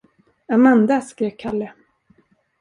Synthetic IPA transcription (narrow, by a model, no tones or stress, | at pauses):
amand̪askɾeːkʰalːə